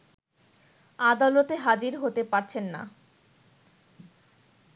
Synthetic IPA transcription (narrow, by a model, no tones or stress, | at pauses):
ad̪alot̪eɦad͡ʑiɾɦot̪epaɾt͡ɕʰenːa̰